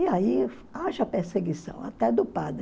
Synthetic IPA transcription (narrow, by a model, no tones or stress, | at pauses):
ɪai | aʒɐpeɾseɡisɐ̰̃w̃a̰t̪ɛd̪ʊpad̪ɾ